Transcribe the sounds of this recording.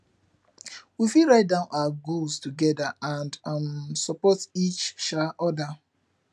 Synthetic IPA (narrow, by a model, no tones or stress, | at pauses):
wifiɹaɪt̚dãʊ̃nʔawaɡulstuɡɛdaãndansɔpɔtit͡ʃʃaʔɔda